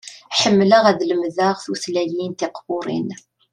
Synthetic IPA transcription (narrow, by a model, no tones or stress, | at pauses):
ħəmːləʁæðləmðaʁθuθlæjint̪ɪqbʊɾˤḭn